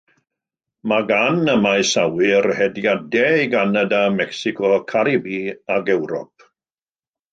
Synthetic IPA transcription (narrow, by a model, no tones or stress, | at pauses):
maɡanəmajsawɪrhɛdjadɛjɡanadamɛksɪkʰɔkʰaɾibiaɡɛwɾɔ̰p̚